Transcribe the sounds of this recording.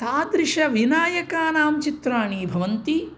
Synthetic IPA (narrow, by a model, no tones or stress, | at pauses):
t̪aːd̪ɾɪʂɐʋinaːjɐkaːnaːmt͡ʃit̪ɾaːɳiːbʱɐʋɐnt̪i